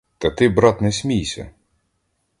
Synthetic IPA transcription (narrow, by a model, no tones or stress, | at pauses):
t̪ɐt̪ɪbɾɑt̪nɛsʲmʲijsʲɐ̰